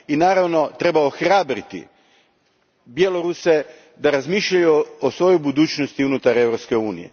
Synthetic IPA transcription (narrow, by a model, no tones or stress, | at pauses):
inaːɾaʋno̞t̪ɾe̞baoxɾaːbɾit̪ḭ | bjeloɾuse | d̪aɾazmiʃʎajuosʋo̞jojbud̪uːt͡ʃnost̪iunut̪aɾe̞vɾopskeuːnijḛ